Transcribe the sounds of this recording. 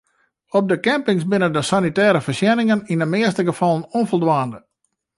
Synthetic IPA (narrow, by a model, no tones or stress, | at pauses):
ɔb̚dəkɛmpɪŋsbɪnədəsanitɛːɾəfərsjɛnɪŋəninəmɪəstəɡəfɑlˠənonfɔlˠdʋaːndə